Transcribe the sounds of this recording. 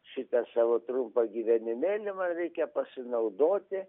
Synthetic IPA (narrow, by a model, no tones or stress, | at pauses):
ʃʲɪt̪ɛsɑːʋoːt̪ɾʊmpɐɡʲiːʋʲɛnʲɪmʲeːlʲɪmɐnɾʲɛɪkʲɛpɐsʲɪnɐʊd̪oːt̪ʲɪ